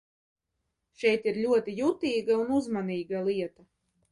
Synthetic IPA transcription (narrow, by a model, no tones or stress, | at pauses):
ʃɛjt̪iɾlʲuɔt̪ijut̪iːɡaunuzmaniːɡalˠiɛt̪a